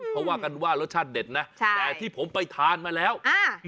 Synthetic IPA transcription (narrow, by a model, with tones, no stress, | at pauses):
pʰɔ˦˥waː˥˩ka˧nwaː˥˩ɾo˦˥t̪̚t͡ɕʰa˥˩n̚de˨˩t̪̚na˦˥t͡ɕʰa˥˩t̪ɛː˨˩t̪ʰiː˥˩pʰo˩˦mpa˧jt̪ʰaː˧nmaː˧lɛː˦˥wʔaː˧˩